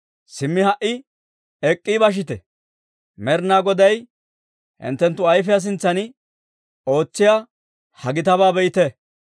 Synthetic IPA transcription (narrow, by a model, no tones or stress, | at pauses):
sɪmːɪhɐʔɪ | ɛkʼːibɐʃ̬ɪt̪ɛ | mɛɾnaːɡɔd̪ɐj | hɪ̰nt̪ːɛnt̪ːʊɐjfɪjas̬ɪnt͡sːɐnɪ | o̞ːt͡sːɪja | hɐɡɪt̪ɐbaːbɛjɪt̪ɛ